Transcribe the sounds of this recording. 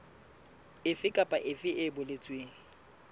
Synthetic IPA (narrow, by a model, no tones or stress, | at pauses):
ɪfɪkʼapʼaʔɪfɪʔɪbʊlɪt͡sʼweːŋ̩